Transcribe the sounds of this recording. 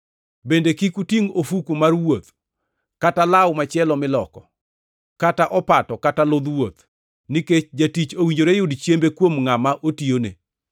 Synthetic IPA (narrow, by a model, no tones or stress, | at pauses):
bendekikutiŋofukumarwot̪ | katalawmat͡ʃjɛlɔmɪlɔkɔ | kataʔɔpatɔkatalʊd̪wot̪ | niket͡ʃd͡ʒatit͡ʃowiɲd͡ʒoɾejʊdt͡ʃjembekwomŋamaʔotione